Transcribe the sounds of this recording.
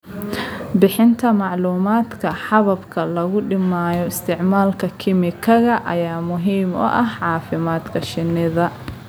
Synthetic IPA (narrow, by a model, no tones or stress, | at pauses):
bɪħɪnt̪ʰɐmɑʕluːmaːd̪kʰɐħɑβɐbkʰɐlɐɣʊɖɪmaːjɔɪst̪ʰɪʕmaːlkʰɐkʰɪmɪkʰɐɣɐʔɐjaːmʊɦiːmɔ̰ʔɐɦʕɑːfɪmaːd̪kʰɐʃɪnːɪðɐ